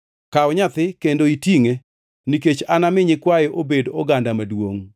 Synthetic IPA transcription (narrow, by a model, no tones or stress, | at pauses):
kaɔɲat̪ɪkendoitiŋe | niket͡ʃanamɪɲɪkwajɛʔobedɔɡandamadwoŋ